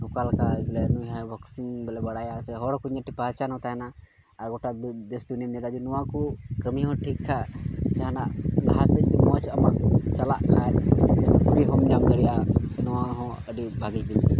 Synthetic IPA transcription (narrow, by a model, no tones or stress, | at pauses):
nɔkalkaɡlɛnujɦabɔksiŋbɛlɛbɐɽajasɛɦɔɽkuɲəʈipat͡ʃanɦɔ̃t̪aɦɛnaː | ɾɡɔʈad̪esd̪unimnɛd̪ad̪inɔwãkukəmiɦɔ̃ʈʰikʰːat͡ʃaɦnaʔla̰ɦasəɲt̪ɛmɔat͡ʃʰɐmakut͡ʃalaʔkʰasɛpuɾiɦɔmd͡ʒamkəɽijasɛnɔwãɦɔ̃ | əɖibʱaɡid͡ʒilsɛ